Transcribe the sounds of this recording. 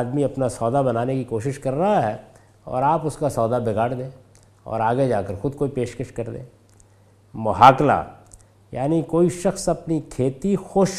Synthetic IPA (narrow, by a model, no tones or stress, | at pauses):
d̪miɐpnasɔːd̪abɐnaːnekikoːʃɪʃkɐɾːɐɦaɦɛ | ɔ̰ːɾaːpʊskasɔːd̪abɪɡaːɽd̪ẽː | ɔ̰ːɾaːɡed͡ʒaːkəɾxʊd̪ʱkoːipeːʃkəʃkɐɾd̪ḛ̃ː | mɐɦaːkla̰ | ja̰ːnikoːiʃɐxsɐpnikʰeːt̪ixoːʃ